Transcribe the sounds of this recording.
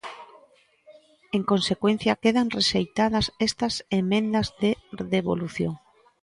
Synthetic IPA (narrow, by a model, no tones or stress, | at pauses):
eŋkõnsekwen̟θjɐkeðaŋreʃejt̪að̞ɐsest̪ɐsemẽnd̪ɐzðeðeβo̰luθjo̰ŋ